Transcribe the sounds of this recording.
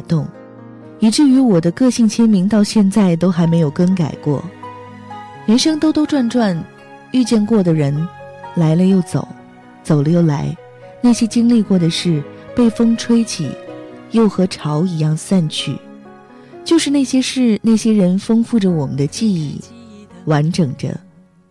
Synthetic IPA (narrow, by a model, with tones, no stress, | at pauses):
t̪ʊ˥˩ŋ | i˨˩ʈ͡ʂɻ̩˥˩y˧˥wɔ˨˩d̪ə˦kɤ˥˧ɕi˥˩ŋt͡ɕʰjɛ˥nmi˧˥ŋt̪ɑ˥˧ʊɕjɛ˥˧nt͡sa˥˩ɪt̪o˥ʊxa˧˥ɪme˧˥ɪjo˨˩ʊkə˥ŋka˨˩ɪkwɔ̰˥˩ | jɛ˧˥nʂɤ˥ŋt̪o˥ʊt̪o˥ʊʈ͡ʂwa˥˧nʈ͡ʂwa˥˧n | y˥˧t͡ɕjɛ˥˧nkwɔ˥˩d̪ə˩ɻə˧˥nla˧˥ɪlə˧jo˥˩ʊt͡so̰˨˩ʊ | t͡so˨˩ʊlə˦jo˥˩ʊla˧˥ɪ | na˥˩ɕjɛ˥t͡ɕi˥ŋli˥˧kwɔ˥˩d̪ə˩ʂɻ̩˥˧pe˥˩ɪfɤ˥ŋʈ͡ʂʰwe˥ɪt͡ɕʰḭ˨˩jo˥˩ʊxɤ˧˥ʈ͡ʂʰɑ˧˥ʊi˧˥jɑ˥˧ŋsa˥˧nt͡ɕʰy̰˥˩ | t͡ɕjo˥˧ʊʂɻ̩˥˧na˥˩ɪɕjɛ˥ʂɻ̩˥˧˩na˥˩ɪɕjɛ˥ɻə˧˥nfɤ˥ŋfu˥˩ʈ͡ʂə˩wɔ˨˩mə˦nd̪ə˧t͡ɕi˥˧i˥˩wa˧˥nʈ͡ʂɤ˨˩ŋʈ͡ʂə̰˦